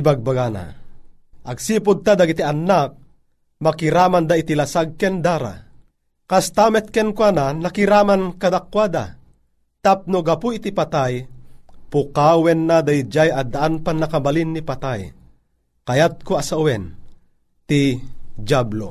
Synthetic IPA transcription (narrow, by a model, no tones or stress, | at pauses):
baɡ̚baɡana̰ | ʔaɡsiːpud̪̚t̪ad̪aɡit̪ianːak̚ | makiɾamand̪ait̪ilasaɡ̚kɛnd̪aɾa̰ | kast̪amɛt̪̚kɛnkwananakiɾamankad̪akːwad̪a̰ | t̪ap̚nuɡapuit̪ipat̪ajpukawɛnːad̪ajid͡ʒajad̪aʔanpanːakabalinːipat̪aj | kajat̪̚koasauwɛn | t̪id͡ʒablo̰